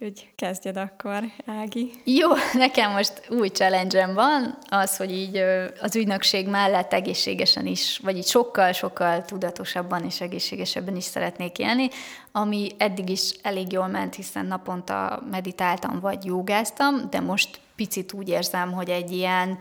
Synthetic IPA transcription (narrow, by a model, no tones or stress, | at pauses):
hoɟkɛzɟɛd̪ɒkːoɾaːɡijoːnɛkɛmːo̞ʃt̪uːjt͡ʃɛlɛnd͡ʒɛɱvɒnɒsho̞ɟiːɟøɒzyɟnø̞kʃeːɡmɛlːɛt̪ːɛɡeːʃːḛːɡɛʃɛ̰niʃʋɒɟiːcʃo̞kːɒlʃo̞kːɒlt̪ud̪ɒt̪o̞ʃɒbːɒneːʃɛɡeːʃːeːɡɛʃɛbːɛniʃsɛ̰ɾɛt̪neːkḛːlni | ɒmiɛd̪ːiɡiʃɛleːɡjoːlmɛnt̪hisɛ̰nːɒpo̞nt̪ɒ̰mɛd̪it̪aːlt̪ɒ̰ɱvɒ̰ɟjoːɡaːst̪ɒmd̪ɛmo̞ʃt̪ | pit̪sit̪uːɟeːrzɛmɦo̞ɟɛɟːijɛn